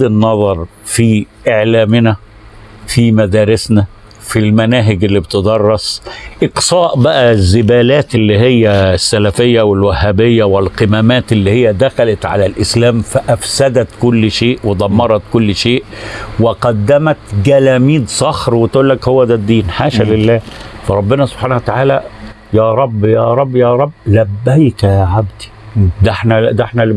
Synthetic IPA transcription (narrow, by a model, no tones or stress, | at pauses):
ɪnːɑðˤɑɾˤ | fiʔeʕlæːmɪnæ | fimæd̪æːɾɪsnæ | filmænæːɦɪɡɪlːibt̪ed̪ˤɑrˤːɑsˤʔɪqsˤɑːʔbæʔæzːɪbæːlæːt̪ɪlːihɪjːæsːælæfɪjːæwɪlwæhːæbɪjːæwɪlqemæːmæːt̪ɪlːihɪjːæd̪æxælæt̪ʕa̰lælʔɪslæːmfæʔæfsæd̪æt̪kʊlːʃeːʔwed̪ˤɑmːɑɾˤɑt̪kʊlːʃeːʔwɪqɑd̪ːæmæt̪ɡælæːmiːd̪sˤɑxɾwɪt̪ʔuːlːækhʊwːæd̪æd̪ːiːnħaːʃælɪlːæːfæɾˤɑbːɪnæsob̥ħaːnæhwæt̪aʕaːlæ | jæːɾˤɑbːjæːɾˤɑbːjæːɾˤɑbːlæbːæjkæʕabd̪i̥ | d̪æħnæd̪æħnæl